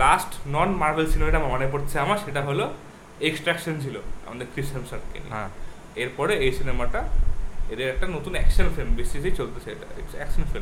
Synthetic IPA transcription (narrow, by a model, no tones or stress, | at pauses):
lasʈnɔnmaɾʋelsinemaɾiʈamamaɽ̃ap̬ɔɽt̪t͡sʰeamaʃeʈaɦolo | eksʈɾɛkʃənd͡ʑʱiloa̰mə̃nd̪ekɾisemsəʈ̚kḛlːã | eɾpɔɽeesinemaʈ̪aed̪eɾɛk̚ʈanot̪uːnɛkʃəlfʰilmbesisejt͡ɕolt̪əsḛʈa̰eʈsɛksənfilm